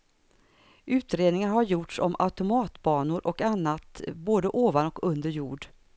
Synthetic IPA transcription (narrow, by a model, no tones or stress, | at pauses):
ʔʉ̟ːt̪ɾeːd̪nɪŋaɾɦaɾjʊʈʂɔ̰mʔa̰t̪ʊmɑːt̪bɑːnʊɾʔɔkanːat̪boːd̪əʔoːvanɔkɵnd̪əɾjuːɖ